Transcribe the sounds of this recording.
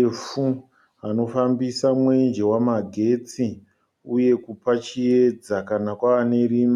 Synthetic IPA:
fu | ɦano̞fambisamwe̞nd͡ʒe̞wamaɡʱe̞t͡si | uje̞kupat͡ʃie̞d͡zakanakwaːne̞riːm

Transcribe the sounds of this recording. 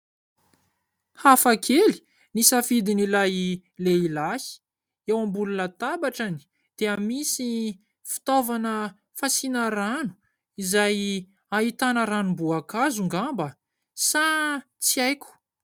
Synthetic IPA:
hafakʰeli̥ | nisafid̪inilajileilahi̥ | ewambulunət̪abaʈ͡ʂani̥ | d̪̥eamisi | fi̥t̪ovanə | fasinəɾanu̥ | izaj | aɦit̪anəɾanumbuakazuŋɡambə | sa | t͡siajkʲu̥

